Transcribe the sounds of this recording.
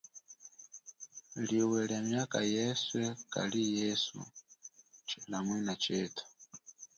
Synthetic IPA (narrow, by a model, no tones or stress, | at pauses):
liwɛlamjakajɛswɛka̰lijɛsṵ | t͡ʃɛnamwɛnat͡ʃɛːtʰḁ